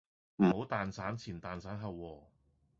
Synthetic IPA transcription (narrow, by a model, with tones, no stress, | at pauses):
m̩˨˩ho˨˥wt̪aː˨nsaː˨˥nt͡sʰiː˨˩nt̪aː˨nsaː˨˥nɦɐ˨wːɔː˧